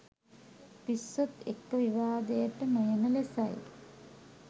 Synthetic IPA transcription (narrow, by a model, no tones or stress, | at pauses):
pisɐt̪ekːɐʋiʋaːd̪eːɐʈːɐmɐjɐnɐlesa̰j̰